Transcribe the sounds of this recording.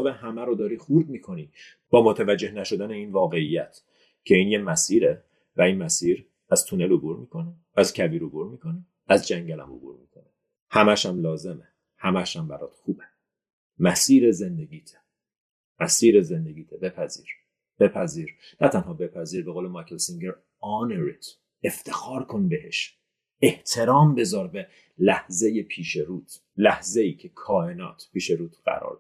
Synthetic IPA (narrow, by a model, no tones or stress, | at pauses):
behæmæɾod̪ɒːɾiːxuɾmiːkʰo̞niː | b̥ɒːmot̪ʰævæd͡ʒːe̞hnæʃo̞d̪æneiːnvɒːɣe̞ijæt̪ʰ | cʰe̞iːnjemæsiːɾe | væiːnmæsiːɾ | æz̥t̪ʰunelobuɾmiːkʰo̞ne | æzcʰæbiːɾobuɾmiːkʰo̞ni | æzd͡ʒæŋɟælæ̰mo̰bṵɾmḭːkʰone | hæmæʃæmlɒːze̞me | hæmæʃæmbæɾɒːt̪xuːbe | mæsiːɾeze̞nd̪e̞ɟiːt̪ʰe̥ | mæsiːɾezend̪eɡiːt̪ʰebe̞pʰæziːɾ | b̥e̞pʰæziːɾnæt̪ʰænhɒːbe̞pʰæziːɾbe̞ɣoːlemɑjkʰelsiŋɟeɾ | ɒːneɾit̪ʰ | eft̪ʰe̞xɒːɾkʰo̞nbehe̞̰ʃ | eht̪ʰe̞ɾɒːmbe̞zɒːɾbe̞ | læhzejepʰiːʃeɾuːt̪ʰ | læhze̞iːcʰekʰɒːhenɒ̰ːt̪ʰpʰiːʃeɾuːt̪ʰɢ̥æ̰ɾɒ̰ːɾd̪